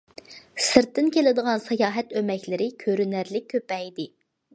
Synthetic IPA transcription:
sɨɾt̪ːɪnkʲelɪd̪əʁɑnsɑjɑːɦɛt̪ømɛkʲlɪɾɪkʲʰøɾynæɾlɪk̚ʲʰːøpɛjd̪ɪ

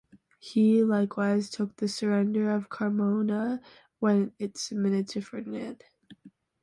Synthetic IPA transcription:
hilaɪkʰwaɪz̥tʰʊk̚ðɨsə˞ɛ̃ndə˞ʌv̥kʰɑɹmoʊnə | wɨ̃nɪtsmɪ̃nɨdɪfɹɨ̃nnɪ̃n

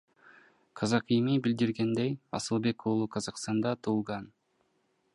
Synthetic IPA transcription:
qʰɑzɑqijmibild̪iɾɡe̞nd̪ejɑ̰sɯlˠbe̞kuːlˠuqʰɑzɑqst̪ɑnd̪ɑt̪ʰuːlˠʁɑn

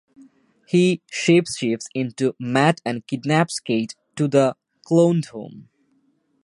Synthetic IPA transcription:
hiʃeːpsʃepsɪ̃ntumætɨ̃nkɪdnæpskeɪtː | ud̪ə | klõʊ̃ndhõ̰ːm

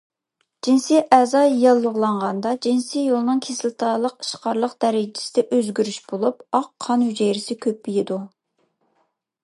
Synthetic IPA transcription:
d͡ʒinsiʔɛzɑjɑlˠːəʁlˠɑɴʁɑnd̪ɑd͡ʒinsijolˠnɨŋkʲʰesɪlt̪ʰɑlˠəqi̥ʃqɑɾlˠəqd̪ɛɾɪd͡ʒɪ̥sɪd̪ɛʔøzɡʲyɾyʃbolˠupɑqʰːɑnhyd͡ʒɛjɾɪsɪkʲʰøp̚ːijid̪u

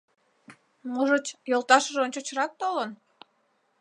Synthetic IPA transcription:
moʒət͡ɕjolˠt̪ɑʃəʒonʲt͡ɕot͡ɕɾɑk̚t̪olˠən

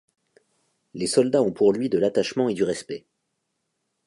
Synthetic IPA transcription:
lesɔld̪aɔ̃puʁlɥid̪əlat̪aʃmɑ̃ed̪yʁɛspɛ

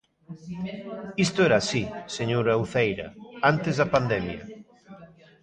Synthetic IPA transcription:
ist̪ʊɛɾaːsiseɲoɾawθejɾɐ̰ant̪ezðɐpand̪ɛmjɐ̰

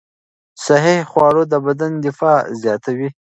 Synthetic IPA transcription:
saɦihχwɑːɾod̪əbad̪and̪ɪfɑzjɑt̪awi

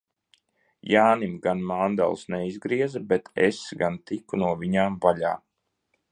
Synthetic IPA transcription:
jaːnimɡanmand̪a̰lˠsnɛizɡɾiɛzabɛt̪ʰḛsɡant̪ikunuɔviɲaːmvaʎa̰ː

